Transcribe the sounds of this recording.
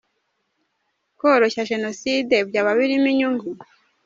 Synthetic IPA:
koɾoçaʒe̞noside̞bjaːβaβiɾimiɲuŋɡu

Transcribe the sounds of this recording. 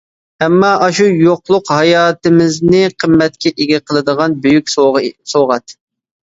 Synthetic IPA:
ɛmːɑʔɑʃujoqlˠʊqhɑjɑːt̪ɪmɪznɪqʰəmːɛt̪̚kʲɛʔeɡʲɛqʰəlˠɨd̪əʁɑnbøjykʲsoʁɑt̪

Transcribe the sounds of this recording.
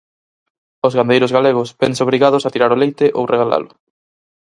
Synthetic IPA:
ozɣand̪ejɾʊzɣaleɣ̞ʊsbɛnsoβ̞ɾiɣað̞ʊsat̪iɾaɾolejt̪ɪʔo̰wreɣala̰lʊ

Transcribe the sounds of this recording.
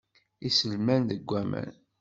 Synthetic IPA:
isəlmænðəɡʷːæmə̰n

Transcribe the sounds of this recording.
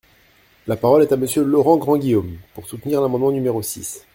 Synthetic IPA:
lapaʁɔlɛt̪aməsjølɔʁɑ̃ɡʁɑ̃ɡʲijompuʁsut̪niʁlamɑ̃d̪mɑ̃nymeʁosḭs

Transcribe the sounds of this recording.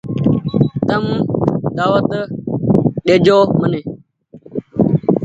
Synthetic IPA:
t̪əmd̪aːʋət̪ | ɗeːd͡ʒoːməneː

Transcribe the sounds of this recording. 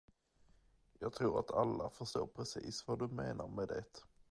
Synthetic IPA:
jɑːɡ̚t̪ʰɾuːɾa̰t̪ʰalːafœʂʈ̪o̰ːɾpʰɾɛsiːsvad̪ɵmeːnaɾmɛd̪ɛt̪

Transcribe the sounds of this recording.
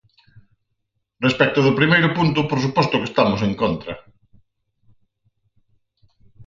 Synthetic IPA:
respɛk̚t̪ʊðʊpɾimejɾʊpunt̪ʊpoɾs̬upɔst̪ʊkest̪amʊseŋkont̪ɾɐ

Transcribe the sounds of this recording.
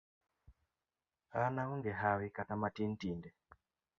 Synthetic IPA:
anauŋɡɛɦawikatamatin̩tindɛ

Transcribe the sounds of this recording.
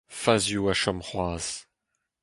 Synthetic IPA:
fazjuaʃɔmχwaːz̥

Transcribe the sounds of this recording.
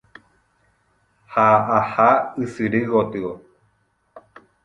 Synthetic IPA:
haʔahaɨsɨɾɨɣot̪ɨo

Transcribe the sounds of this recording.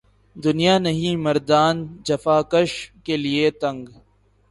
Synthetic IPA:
d̪ʊnijaːnɐɦĩmɐɾd̪aːnd͡ʒɐfaːkəʃkeliet̪ɐ̃ŋɡ

